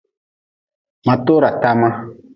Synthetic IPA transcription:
mã˨to˦ɾa˨ta˦mã˦

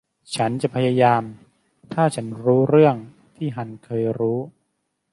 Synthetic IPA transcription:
t͡ɕʰa˦˥nt͡ɕa˨˩ʔpʰa˧jaː˧jaː˧m | t̪ʰaː˥˩t͡ɕʰa˦˥nɾuː˦˥ɾɯ˥˩əŋ | t̪ʰiː˥˩ɦa˧nkʰɤː˧jɾuː˦˥

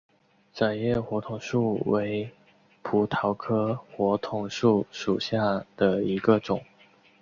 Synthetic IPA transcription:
t͡sa˨˩ɪjɛ˥˩xwɔ˧˥t̪ʰʊ˨˩ŋʂu˥˩we˧˥ɪ | pʰu˧˥t̪ʰɑ˧˥ʊkʰɤ˥xwɔ˧˥t̪ʰʊ˨˩ŋʂu˥˩ʂu˨˩ɕja˥˩d̪̥ə˩i˧˥ɡə˧ʈ͡ʂʊ˨˩˦ŋ

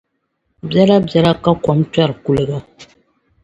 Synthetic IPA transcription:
bja˦la˦bjɛ˦la˦ka˦kɔ˨˦mta˦˨ɾɨ˨ku˦lɨ˦ɡa˦

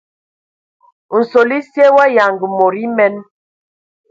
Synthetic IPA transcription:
n̩˨so˨li˦sje˦wa˦ja˨ŋɡi˨mo˨ɾi˦mɛ˦n

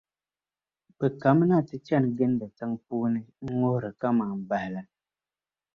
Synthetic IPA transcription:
pə˨ka˨˦m˦na˦˨ti˦t͡ʃa˦˨nɡe˦ndə˨t͡sa˦ŋpuː˦ni˦ŋo˦hɾə˨ka˦ma˨m̩˨ba˨hla˨

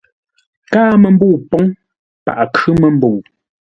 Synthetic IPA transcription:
kaː˦mə˨m̩˦bo˦˨pɔ˨˦ŋ | pa̰˨ʔkʉ˦mə˨m˦bo˨

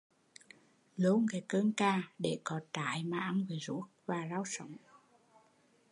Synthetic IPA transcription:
lo˨˦nɣɛ˨˩kəː˧nkaː˧˩ɗe˧˩kɔ˨˩t̪a̰ː˧˩˦jmaː˨˩ʔa˧nvɨ˨˦zṵ˧˦˥ək̚vaː˨˩zaː˧wsə̰˧˦wŋ͡m

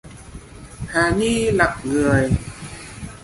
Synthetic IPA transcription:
haː˨˩ni˧la˨˩k͡p̚ŋɨ˨˩əj

